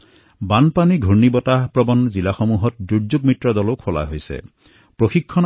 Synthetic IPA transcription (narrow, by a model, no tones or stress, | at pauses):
banpaniɡʱunibɔtapɾɔbɔnzilaxɔmuɦɔt̚duɾd͡ʒuɡ̚mitɾɔd̪ɔlokʰola̰ɦojsḛ | pɹoxikʰːɔn